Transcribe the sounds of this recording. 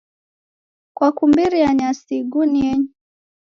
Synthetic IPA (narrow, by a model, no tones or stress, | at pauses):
kwakumbiɾiaɲasiɡuniɛɲu